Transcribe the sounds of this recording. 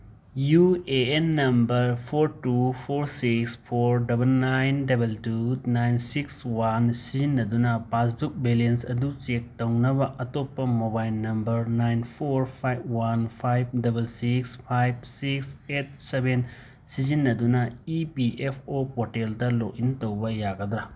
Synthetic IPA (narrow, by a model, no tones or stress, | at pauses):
jueenːɐmbɐɾpʰoɾtupʰoɾsikspʰoɾdɐbelnajndɐbeltunajnsikswansizinːɐdunɐpas̬buk̚belensɐdut͡ʃek̚tɐwnɐβɐʔɐtopːɐmobajlnɐmbɐɾnajnpʰoɾpʰajb̚wanpʰajb̚dɐbelsikspʰajb̚sikset̚seben | sizinːɐdunɐipiʔepʰopoteldɐloʔintɐwbɐjaɡɐd̪ɾɐ